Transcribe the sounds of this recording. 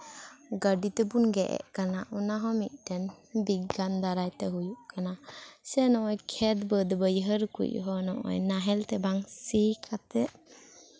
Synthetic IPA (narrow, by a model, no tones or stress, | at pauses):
ɡəɖit̪ɛbunɡɛʔɛ̰ʔkanaʔɔnaɦɔmiʔ̚ˀdɛnbiɡɡand̪aɾajt̪ɛɦujuʔkanasɛnɔʔɔjkʰɛd̪bəd̪bəjɦəɾkṵʔɦɔnɔʔɔ̰jnaɦɛlt̪ɛbaŋsikʰat̪ɛʔ